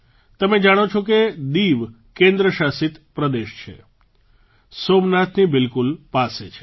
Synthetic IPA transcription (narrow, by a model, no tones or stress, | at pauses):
t̪əmed͡ʒaɽ̃ot͡ʃʰoked̪iʋ | kẽnd̪ɾəʃasit̪pɾəd̪eʃt͡ʃʰḛ | somnat̪nibɪlkulpaset͡ʃʰe